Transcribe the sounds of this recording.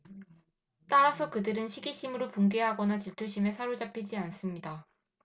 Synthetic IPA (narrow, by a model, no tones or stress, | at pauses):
t͈aɾasʰʌkɯdɯɾɯnɕʰiɡiɕʰimɯɾopuŋɡe̞ɦaɡʌnat͡ɕiɭtʰuɕʰime̞sʰaɾod͡ʑapʰid͡ʑians͈ɯmɲida